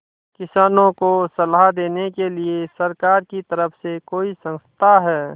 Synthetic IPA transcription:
kɪsaːnõkosɐlad̪eːnekeliesɐɾkaːɾkit̪əɾəfʰsekoːisə̃nst̪ʰaɦɛː

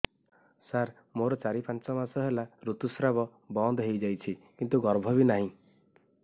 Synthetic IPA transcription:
saɾ | moɾɔt͡ʃaɾipant͡ʃɔmasɔɦelaɾut̪usɾabɔ | bɔnd̪ɔɦejd͡ʒajt͡ʃʰikint̪uɡɔɾbʱɔbinaɦĩ

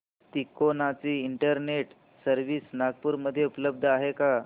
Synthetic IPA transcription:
t̪ikonat͡siːiɳʈəɾneʈ | səɾʋiːsnaɡ̚puːɾməd̪ʱːjeupələb̚d̪ʱəaɦeka

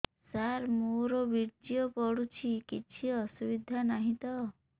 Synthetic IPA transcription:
saɾmoɾɔbiɾd͡ʒijɔpɔɽut͡ʃʰikit͡ʃʰiɔsubid̪ʱanaɦĩt̪ɔ

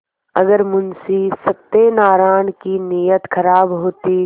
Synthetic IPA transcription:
ɐɡəɾmʊnsisɐb̚t̪enaːɾaːnkinijət̪kʰɐɾaːbɦoːt̪i

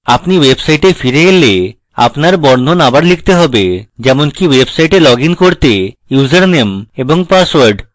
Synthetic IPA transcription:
apniwebsajʈefiɾeele | a̰pnaɾbɔɾnd̪ʱonabaɾlik̚ʰt̪eɦɔbed͡ʑɛmonkiwebsajʈelɔɡinkoɾt̪ejud͡ʑaɾnemeboŋpaswaɾɖ

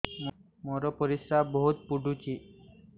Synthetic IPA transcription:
mɔɾɔpəɾisɾabəɦut̪̚puɖʱut͡ɕi

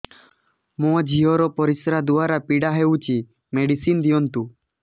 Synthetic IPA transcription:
mɔ̃d͡ʒʱiɔɾɔpɔɾisɾad̪uaɾapiɽaɦewt͡ʃi | meɽisind̪ijɔnt̪u

